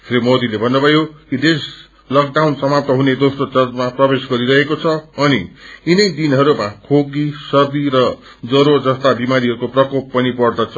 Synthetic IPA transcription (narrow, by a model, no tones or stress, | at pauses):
kʰɾimod̪ilebʱʌnːubʱʌjokid̪es | lʌk̚ɖawnsʌmap̚t̪ʌɦuned̪osrot͡sʌd͡zmaprʌbesɡʌɾiɾʌɦekot͡sʰʌːniinʌjd̪inɦʌɾumakʰoɡisʌrd̪iɾʌ | d͡zʌɾod͡zʌst̪abimaɾiɦʌɾukoprʌkopːʌnipʌrd̪ʌt͡sʰʌ